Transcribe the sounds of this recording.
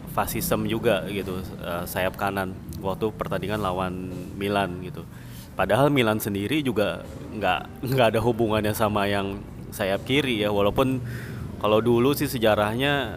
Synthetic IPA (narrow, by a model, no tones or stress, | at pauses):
fasisəmd͡ʒuɡaɡit̪uəsajap̚kananwak̚t̪upərt̪andiŋanlawanmilanɡit̪u | padaɦalmilansəndiɾid͡ʒuɡa | ŋɡa̰ʔ | ŋɡaʔːdaɦubuŋanjasamajaŋ | sajap̚kiɾijawalawpʊn | kalawdulusɪhsəd͡ʒaɾahɲa